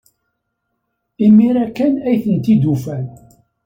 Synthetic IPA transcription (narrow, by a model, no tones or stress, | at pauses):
imiɾækænæjθənt̪id̪ufæn